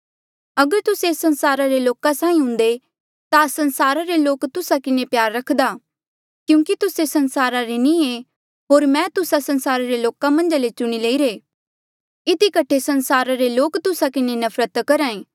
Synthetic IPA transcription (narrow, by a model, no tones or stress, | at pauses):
ɐɡəɾt̪ʊsesɐnsaːɾaɾeloːkãsãːĩɦʊ̃nd̪e | t̪asɐ̃nsaːɾaɾeloːkt̪ʊsakɪnepjaːɾːɐkʰd̪aː | kjũːkit̪ʊsesɐnsaːɾaɾenĩe | ɦoːɾmɛ̃ːt̪ʊsasɐ̃nsaːɾaɾeloːkamɐ̃nd͡ʒalet͡ʃʊɽ̃ileːiɾeː | ɪd̪ikɐʈʰesɐnsaːɾaɾeloːkt̪ʊsakɪnenɐfʰɾət̪kɐɾãːẽː